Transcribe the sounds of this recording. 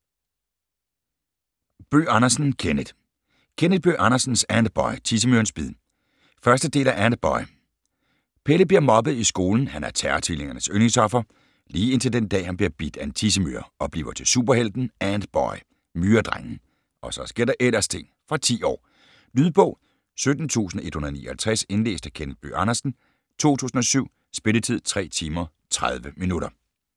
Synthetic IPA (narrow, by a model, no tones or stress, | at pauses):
b̥ø̰ːɑ̈nɐsn̩kʰenəd̥ | kʰenəd̥̚b̥ø̰ːʔɑ̈nɐsn̩sænd̥b̥ɒɪt͡sʰis̬əmyɐnsb̥iðˠ | fɶɐsd̥əd̥e̝̰ːlæʔænd̥̚b̥ɒ̽ɪ | pʰeləb̥liɐmɒ̽bəð̩ˠisɡ̥o̝ːln̩hænæɐt͡sʰæɐt͡sʰile̝ŋɐnəsøneŋt͡sʰɒ̽fɐ | liːe̝nt͡sʰe̝ld̥end̥ɛ̰ːhænb̥liɐb̥id̥æe̝nt͡sʰis̬əmy̰ɐ̰ʔɒ̽b̥lḭːʊɐt͡sʰe̝lsṵːb̥ɐɦel̰d̥n̩ænd̥b̥ɒɪ | myːɐd̥ʁaŋn̩ | ʔɒ̽sɒ̽sɡ̥e̝ɐ̰d̥ɑʔel̰ɐst͡sʰe̝ŋ̰ | fʁɑ̈t͡sʰḭːɒ̰ː | lyðˠb̥ɔ̽ʊ̰ | sød̥n̩t͡sʰṵːsn̩ʔe̝d̥hunɐðˠnḭːɐɒhælt͡sʰʁɛse̝nle̝̰ːsd̥ækʰenə̥b̥y̰ːʔɑnɐsn̩ | t͡sʰo̝̰ːt͡sʰṵːsn̩ɒ̽syʊ̰ | sb̥e̝lət͡sʰið̞̰ˠt͡sʰʁɛ̰ːt͡sʰiːmɐ | t͡sʰʁað̞ˠʋəminuɾɐ